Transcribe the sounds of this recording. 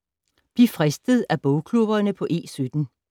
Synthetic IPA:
b̥lifʁɛsd̥əð̞̩ˠæb̥ɔʊkʰlub̥ɐnəpʰɒ̽ʔe̝̰ːsød̥n̩

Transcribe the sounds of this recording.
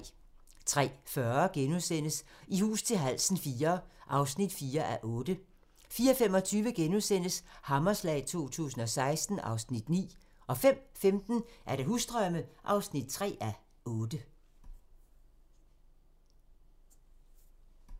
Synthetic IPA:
t͡sʰʁɛ̰ːfɶɐɡ̥enusen̰əsihṵːst͡sʰe̝lɦæl̰sn̩fiːɐʔɑ̈ʊsnid̥fiːɐʔæʔɔ̽ːd̥ə | fiːɐfemɒ̽t͡sʰyːʋəɡ̥enuðˠsen̰əshɑ̈mɐslɛ̰ɪt͡sʰo̝̰ːt͡sʰṵːsn̩ɒ̽sɑ̈ɪsd̥n̩ʔɑ̈ʊsnid̥nḭː | ʔɒ̽fem̰femd̥n̩ʔæɐɾ̥eɦuːsd̥ʁœməʔɑ̈ʊsnid̥̚t͡sʰʁɛ̰ːæ | ʔɔ̽ːd̥ə

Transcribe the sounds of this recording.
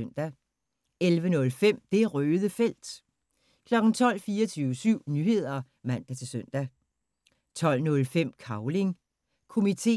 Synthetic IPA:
nd̥æ | elʋənɔ̽lfem̰d̥e̝ʁøːðˠəfel̰d̥ | kʰlɒ̽ɡ̥n̩t͡sʰɒ̽l̰fiːɐɒt͡sʰyːʊəsyʊ̰nyhe̝ð̞̰ˠɐ | mæn̰d̥æt͡sʰe̝lsøn̰d̥æ | t͡sʰɒ̽l̰nɔ̽lfem̰kʰɑ̈ʊle̝ŋ | kʰo̝mit͡sʰe̝̰

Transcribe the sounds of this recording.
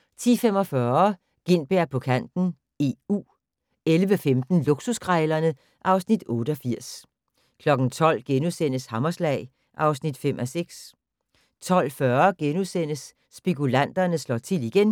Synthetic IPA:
t͡sʰḭːfem̰ɒ̽fɶːɐ | ɡ̥e̝n̰b̥eɐ̰pʰɒ̽kʰæn̰d̥n̩ | e̝ṵː | elʋəfemd̥n̩luɡ̥susɡ̥ʁɛɪlɐnə | ʔɑ̈ʊsnid̥ɔ̽ːɾ̥əɒ̽fiɐ̰s | kʰlɒ̽ɡ̥n̩t͡sʰɒ̽l̰ɡ̥enusen̰əshɑmɐslɛ̰ɪ | ʔɑ̈ʊsnid̥fem̰ʔɒseɡ̥s | t͡sʰɒ̽l̰fɶɐɡ̥enuðˠsen̰əsː | b̥ikʰulæn̰d̥ɐnəslɒ̰ːt͡sʰe̝liɡ̥en

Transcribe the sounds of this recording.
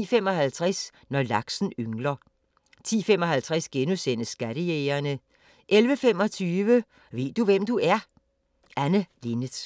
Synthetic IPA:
femɒ̽hælt͡sʰʁɛs | nɒlɑ̈ɡ̥sn̩øŋlɐ | t͡sʰḭːfemɒ̽ɦælt͡sʰʁɛsɡ̥enusen̰əsːɡ̥æɾ̥əeːɐnə | ʔelʋəfem̰ɒ̽t͡sʰyːʋə | ʋe̝̰ːd̥uʋem̰d̥uæɐ | ʔænəlinə̥

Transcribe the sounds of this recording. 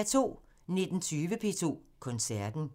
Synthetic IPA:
t͡sʰo̝̰ː | ne̝d̥n̩t͡sʰyːʋəpʰe̝̰ːt͡sʰo̝̰ːkʰɔ̽nsæɐd̥n̩

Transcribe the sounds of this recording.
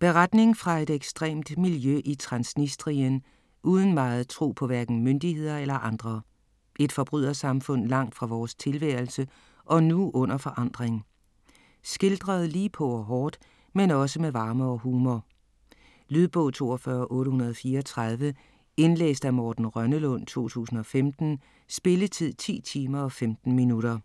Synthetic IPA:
b̥e̝ʁad̥ne̝ŋfʁɑ̈e̝d̥eɡ̥sd̥ʁɛ̰ːmd̥miljøʔit͡sʰʁɑ̈nsnisd̥ʁiən | ʔuːð̞ˠən̩mɑ̈ːð̞̩ˠt͡sʰʁo̝̰ːpʰɒ̽ʋæɐɡ̥n̩mønd̥ihe̝ð̞̰ˠɐelɐʔɑ̈nd̥ʁɐ | ʔe̝d̥fɒ̽b̥ʁyð̰ˠɐsɑ̈mfɔ̽n̰lɑ̈ŋ̰d̥fʁɑ̈ʋɒːst͡sʰe̝lʋæɐl̩sə | ʔɒ̽nuʔɔ̽n̰ɐfɒ̽ʔɑ̈n̰d̥ʁeŋ | sɡ̥e̝ld̥ʁɐð̩ˠliːpʰɒ̽ɒɦɒːd̥ | menɒ̽səmeʋɑ̈ːməɒhuːmɒ | lyð̞ˠb̥ɔʊt͡sʰo̝̰ːɒfɶɐʔɔ̽ːɾəɦhunɐð̞ˠfiːɐɒt͡sʰʁað̞ˠʋə | e̝nlḛːsd̥æmɒːd̥n̩ʁɶnəlɔ̽n̰t͡sʰo̝̰ːt͡sʰṵːsn̩ɒ̽femd̥n̩ | sb̥e̝lət͡sʰið̰ˠt͡sʰḭːt͡sʰiːmɐɒ̽femd̥n̩minuɾ̥ɐ

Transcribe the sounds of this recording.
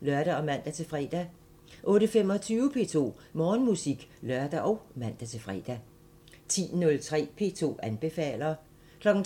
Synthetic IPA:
lɶɐ̰ɾ̥æɒ̽mæn̰d̥æt͡sʰe̝fʁɛd̥æ | ʔɔ̽ːɾ̥əfem̰ɒ̽t͡sʰyːʊəpʰe̝̰ːt͡sʰo̝̰ː | mɒːnmusiɡ̥lɶɐd̥æʔɒʊmæn̰d̥æt͡sʰe̝fʁɛ̰d̥æ | t͡sʰḭːnɔ̽lt͡sʰʁɛ̰ːpʰe̝ːt͡sʰo̝̰ːænb̥e̝fɛ̰ːlɐː | kʰlɒ̽ɡ̥n̩

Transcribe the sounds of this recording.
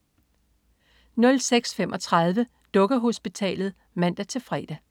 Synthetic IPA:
nɔ̽lseɡ̥sfemʔɒ̽t͡sʰʁɑð̞ˠʋə | d̥ɔ̽ɡ̥ɐɦo̝sb̥it͡sʰɛ̰ːlð̩ˠ | mæn̰d̥æt͡sʰe̝lfʁɛ̰ːd̥æ

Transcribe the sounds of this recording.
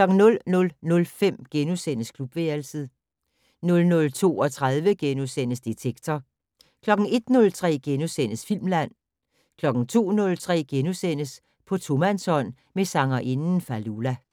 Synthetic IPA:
klɒ̽ɡ̥ŋ̩nɔ̽lnɔ̽lnɔ̽lfem̰ɡ̥enusen̰əskʰlub̥ʋeːlsəð̩ˠ | nɔ̽lnɔ̽lt͡sʰo̝̰ːɒ̽t͡sʰʁað̞ˠʋəɡ̥enusen̰əsd̥it͡sʰeɡ̥̚t͡sʰɒ | kʰlɒ̽ɡ̥n̩e̝d̥nɔ̽lt͡sʰʁɛ̰ːɡ̥enusen̰əsfil̰mlæn̰ | kʰlɒ̽ɡ̥n̩t͡sʰo̝̰ːnɔ̽lt͡sʰʁɛ̰ːɡ̥enusen̰əs | pʰɒ̽t͡sʰo̝mænsɒ̽n̰ | mesɑ̈ŋɐʔe̝nn̩fælulæ

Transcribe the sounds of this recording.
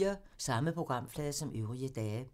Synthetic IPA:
ɐ | sɑ̈məpʰʁo̝ɡ̥ʁɑ̈m̰flɛːðˠsɒ̽mʔøʊʁiəd̥ɛː

